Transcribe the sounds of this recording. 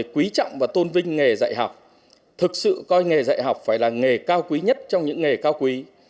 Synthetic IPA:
jkwi˨˦t͡ɕa̰˧˨wŋ͡mvaː˨˩t̪o˧nvï˧ŋ̟ŋe˨˩za̰ː˧˨jɦa˨˩wk͡p̚ | t̪ʰɨ˨˩k̚sɨ̰˧˨kɔ˧jŋe˨˩za̰ː˧˨jɦa˨˩wk͡p̚faː˧˩jlaː˨˩ŋe˨˩kaː˧wkwi˨˦ɲə˦˥t̚t͡ɕɔ˧wŋ͡mɲɨ̰˧˥ŋːe˨˩kaː˧wkwi˨˦

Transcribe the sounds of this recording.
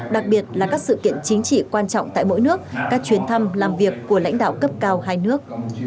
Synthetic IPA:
ɗa˨˩k̚ɓi˨˩ət̚laː˨˩kaː˦˥k̚sɨ̰˧˨kḭ˧˨ənt͡ɕï˨˦ŋ̟t͡ɕḭ˧˨kwaː˧nt͡ɕɔ̰˧˨wŋ͡mt̪a̰ː˧˨jmo̰˧˥jnɨ˦˥ək̚kaː˦˥k̚t͡ɕwi˨˦ənt̪ʰa˧mlaː˨˩mvi˨˩əkːu˧˩əla̰˧˥jŋ̟ɗa̰ː˧˨wkə˦˥p̚kaː˧wɦaː˧jnɨ˦˥ək̚

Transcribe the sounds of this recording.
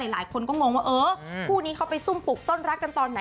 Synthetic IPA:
a˨˩˦jlaː˩˦jkʰo˧nkɔː˥˩ŋo˧ŋwaː˥˩ʔɤː˧˦pʰuː˥˩niː˦˥kʰa˦˥wpa˧jsu˥˩mpʰu˨˩k̚t̪oː˥˩nɾa˦˥kːa˧nt̪ɔː˧nːa˩˦

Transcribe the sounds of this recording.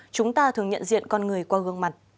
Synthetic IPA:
t͡ɕʊ˨˦ŋ͡mt̪aː˧t̪ʰɨ˨˩əŋɲə̰˧˨nzḭ˧˨ənkɔ˧nŋɨ˨˩əjkwaː˧ɣɨ˧əŋma˨˩jt̚

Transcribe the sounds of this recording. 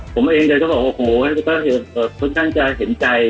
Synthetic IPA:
pʰo˩˦mʔeː˧ŋdɤː˧kɔː˥˩baː˨˩ʔoː˧˩hʰoː˨˩a˥˧˩kɔː˥˩ɦe˨˩˦ʔɤː˨˩kʰɔ˥˩nkʰaː˦˥˩ŋt͡ɕa˧ɦe˩˦nt͡ɕa˧j

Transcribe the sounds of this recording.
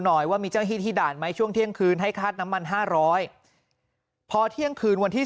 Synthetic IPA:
nɔː˨˩jwaː˥˩miː˧t͡ɕa˥˩iː˥˩t̪ʰiː˥˩daː˨˩n̚ma˦˥jt͡ɕʰu˥˩əŋt̪ʰi˥˩əŋkʰɯː˧nɦa˥˩jkʰaː˥˩t̪̚na˦˥mːa˧nɦaː˥˩ɾɔː˦˥j | pʰɔː˧t̪ʰi˥˩əŋkʰɯː˧nwa˧nt̪ʰiː˥˩

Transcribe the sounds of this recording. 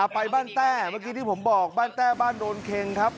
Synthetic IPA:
ʔa˨˩pa˧jbaː˥˩nt̪ɛː˥˩maː˧k̬iː˧t̪ʰi˥˩pʰmbɔː˨˩k̚baː˥˩nt̪ɛː˥˩baː˥˩ndoː˧nkʰe˧ŋkʰɾa˦˥p̚

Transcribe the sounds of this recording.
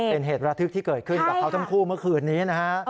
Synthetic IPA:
pe˧nɦeː˨˩t̪̚ɾa˧t̪ʰɯ˦˥k̚t̪iː˥˩kɤː˨˩t̪̚kʰɯ˥˩nkaː˨˩kʰa˦˥wt̪ʰa˥˩mkʰuː˥˩mɯ˥˩ɐkʰɯː˧˩nːiː˦˥na˦˥kʰa˦˥

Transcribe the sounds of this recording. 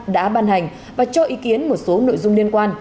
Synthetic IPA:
ɗa̰ː˧˥ɓaː˧nɦa˨˩ŋ̟ | vaː˨˩t͡ɕɔ˧ʔi˨˦ki˨˦ənmo˨˩t̚so˨˦no̰˧˨jzʊ˧ŋ͡mli˧ənkwaː˧n

